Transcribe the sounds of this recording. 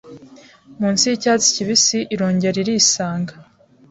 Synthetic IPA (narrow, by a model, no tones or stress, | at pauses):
muːnsicat͡si̥ciβisiʔiɾo̞ːɲɟe̞ɾiɾiːsaːŋɡa